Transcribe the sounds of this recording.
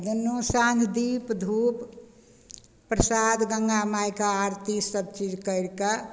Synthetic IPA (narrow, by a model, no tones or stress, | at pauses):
d͡ʒənːusãnd̪ʰd̪ipd̪ʱup | pɾəsad̪ɡəŋɡamajkaaɾt̪isəb̚t͡ʃid͡ʒkəɪɾka